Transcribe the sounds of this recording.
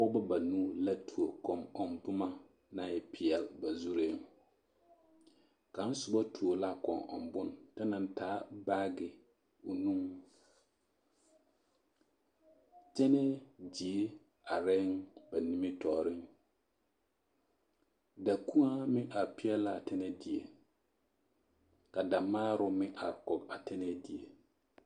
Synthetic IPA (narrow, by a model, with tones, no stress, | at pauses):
ʊ˦ba˦ba˨nuː˦la˦tu˨o˨kɔ˨mɔ˨mdʊ˦ma˦ | na˦˨jɛ˦pɪ˨ɛ˨lba˨zu˦ɾe˦ŋ | ka˨˦n̩˦sʊ˨ba˦tʰu˨o˨la˦kɔ˨ŋɔ̰˨mbʊ˦nta˦na˨n˦taː˨˦baː˦ɡɪ˨ | ʊ˨nu˦ŋ | t͡ʃɛ˦nɛ˦d͡ʒi˨e˦ | a˨ɾɛ˦ŋba˨ni˦me˦tɔː˦˨ɾɪ˦ŋ | da˨ku˦ŋa˦mɪ˦ʔa˨pɪ˦ɛ˦la˦˨tɛ˦nɛ˦di˨ḛ˨ | ka˨da˨maː˦ɾʊ˦mɪ˦ʔa̰˨ɾkɔ˨ɡa˨tɛ˦nɛ˦di˨e˨